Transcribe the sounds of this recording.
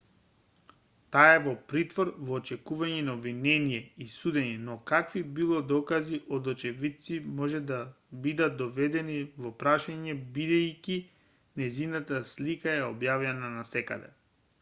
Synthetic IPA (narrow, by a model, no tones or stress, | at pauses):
t̪aɛvɔpɾit̪vɔɾvɔːt͡ʃɛkuvaɲɛnaovinɛnijɛisud̪ɛɲɛnɔkakvibilˠɔd̪ɔkaziʔɔd̪ɔt͡ʃɛvit̪t̪simɔʒɛd̪a | bid̪at̪̚d̪ɔvɛd̪ɛnivɔpɾaʃaɲɛbid̪ɛjkʲi | nɛzinat̪aslikaɛɔbjavjananasɛka̰d̪ɛ̰